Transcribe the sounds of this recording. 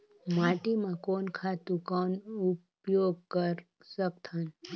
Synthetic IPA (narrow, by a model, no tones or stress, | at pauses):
maʈimãkonkʰat̪ũkɔnup | joɡ̚kəɾ | sək̚t̪ʰən